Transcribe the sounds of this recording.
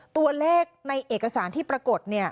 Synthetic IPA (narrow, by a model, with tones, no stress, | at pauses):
t̪u˧ɐleː˥˩k̚na˧jʔeː˨˩k̚ːa˧saː˩˦nt̪ʰiː˥˩pɾa˧ko˨˩t̪̚ni˥˩ɐ